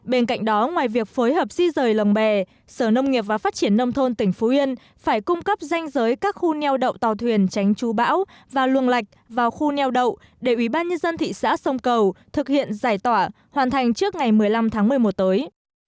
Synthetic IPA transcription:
ɓe˧nka̰˧jŋ̟ɗɔ˨˦ŋwaː˨˩jvi˨˩ək̚foː˨˦jɦəː˨˩p̚zi˧zəː˨˩jlə˨˩ŋ͡mɓɛ˨˩ | səː˧˩nə˧wŋ͡mŋi˨˩əp̚vaː˨˩faː˦˥t̚t͡ɕi˧˩ənːə˧wŋ͡mt̪ʰo˧nt̪ï˧˩ŋ̟fo˨˦vi˧ən | faː˧˩jkʊ˧ŋ͡mkə˦˥p̚za˧jŋ̟zəː˨˦jkaː˦˥k̚xu˧nɛ˧wɗə̰˧˨wt̪aː˨˩wt̪ʰwi˨˩ənt͡ɕa˨˦jŋ̟t͡ɕu˨˦ɓa̰ː˧˥w | vaː˨˩lwə˨˩əŋla˨˩jk̟̚vaː˨˩wxu˧nɛ˧wɗə̰˧˨w | ɗe˧˩ʔwi˧˩ɓaː˧nɲə˧nzə˧nt̪ʰḭ˧˨sa̰ː˧˥sə˧wŋ͡mkə˨˩wt̪ʰɨ˨˩k̚hḭ˧˨ənzaː˧˩jt̪waː˧˩ | hwaː˨˩nt̪ʰa˨˩jŋ̟t͡ɕɨ˦˥ək̚ŋa˨˩jmɨ˨˩əjla˧mt̪ʰaː˨˦ŋmɨ˨˩əjmo˨˩t̚t̪əː˨˦j

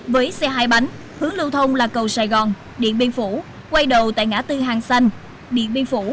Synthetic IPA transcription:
vəː˨˦jsɛ˧ɦaː˧jɓa˨˦ŋ̟ | hɨ˨˦əŋlɨ˧wt̪ʰə˧wŋ͡mlaː˨˩kə˨˩wsaː˧˩jɣɔ˨˩n | ɗḭ˧˨ənɓi˧nfu˧˩˥ | kwa˧jɗə˨˩wt̪a̰ː˧˨jŋa̰ː˧˥t̪ɨ˧ɦaː˨˩ŋsa˧n | ɗḭ˧˨ənɓi˧ənfu˧˩˥

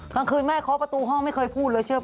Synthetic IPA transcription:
kaː˧˩ŋkʰɯː˧nmaː˥˩jkʰɔː˨˦pɾa˧t̪uː˧ɦɔ˥˩ŋma˥˩jkʰɤː˧˩jpʰuː˥˩t̪̚lɤː˧jt͡ɕʰɯ˥˩ə

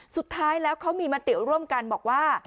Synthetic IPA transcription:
su˨˩t̪ʰːaː˦˥jlɛː˦˥wkʰa˦˥wmiː˧ma˦˥t̪i˨˩ɾu˥˩əmka˧nbɔː˨˩k̚waː˥˩

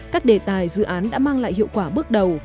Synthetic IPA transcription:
kaː˦˥k̚ɗe˨˩t̪aː˨˩jzɨ̰˧˨ʔaː˨˦nɗa̰ː˧˥maː˧ŋla̰ː˧˨jhḭ˧˨əwkwaː˧˩ɓɨ˦˥ək̚ɗə˨˩w

